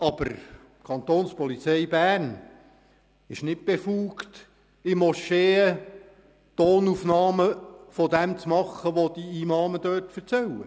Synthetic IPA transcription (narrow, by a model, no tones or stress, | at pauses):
ɑb̥əɾ | kʰɑnt̪oːnspɔlit͡sɛjbæːɾn | ɪʃnɪt̚b̥efuːkt | ɪmɔʃeːə | t̪oːnufnɑːməfɔd̪ɛmt͡smɑχːəʋod̥̪iiːmɑːməd̪œːrtfəɾt͡sɛlə̰